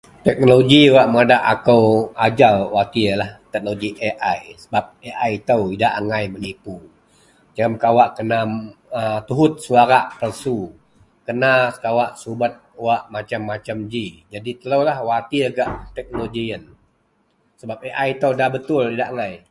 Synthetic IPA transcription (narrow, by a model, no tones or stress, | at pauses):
t̪ɛk̚noloɡiwaʔməŋadaʔakəwad͡ʒalwat̪ilaht̪ɛk̚noɡiʔeʔajsə̥bap̚eʔajt̪əwidaʔaŋajmənipu | d͡ʒəmkawaʔkənaət̪uɦʊt̪̚suaɾaʔpərsu | kənasə̥kawaʔsubat̪̚waʔmat͡ʃamːat͡ʃamd͡ʒid͡ʒadit̪ələwlahwat̪iɡaʔt̪ɛk̚noloɡiən | səbap̚eʔajt̪əwdahbət̪ʊlidaʔaŋaj